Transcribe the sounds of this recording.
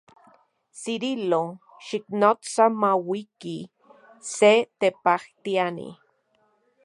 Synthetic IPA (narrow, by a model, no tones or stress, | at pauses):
siɾilo | ʃiknot͡samawiki | set̪epaht̪ianḭ